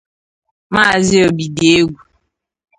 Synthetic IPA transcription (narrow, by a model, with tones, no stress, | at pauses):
ma˦˨zɪ˦o˨bi˨de˨e˦ɡʷu˨